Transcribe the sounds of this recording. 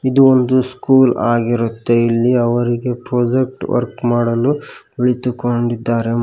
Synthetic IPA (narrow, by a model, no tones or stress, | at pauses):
id̪uond̪uskuːlaːɡiɾut̪ːe̞ilːiɐʋɐɾiɡe̞pɾoːd͡ʒek̚ʈʋɐ̰ɾkmaːɽɐlubiɭit̪ukoɳɖid̪ːaːɾe